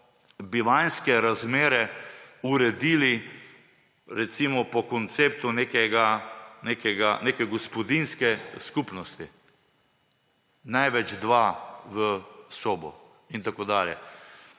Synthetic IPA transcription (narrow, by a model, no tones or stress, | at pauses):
biʋajnskɛɾazmeːɾɛuɾɛd̪iːli | ɾɛt̪simɔpɔkɔnt̪seːp̚t̪uneːkɛɡanekɛɡanekɛɡɔspɔd̪inskɛskupnɔst̪i | najʋɛd͡ʒd̪ʋaʋəsoːbɔ | int̪akoːd̪aːljɛ